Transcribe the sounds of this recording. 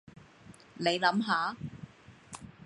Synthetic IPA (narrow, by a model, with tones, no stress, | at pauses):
ne˨˧jlɐ˨˥mɦaː˨˧˥